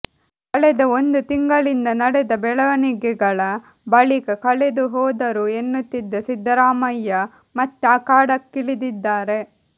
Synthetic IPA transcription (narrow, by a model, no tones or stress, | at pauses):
kɐɭɛd̪ɐond̪ut̪iŋɡɐɭind̪ɐnɐɽɛd̪ɐbɛɭɐʋɐniɡɛɡɐɭɐ | bɐɭikɐkɐɭed̪uɦɔːd̪ɐɾue̞nːut̪ːid̪ːɐsid̪ːɐɾaːmɐjːɐ | mɐt̪ːeɐkaːɽɐkːiɭid̪id̪ːaːɾe̞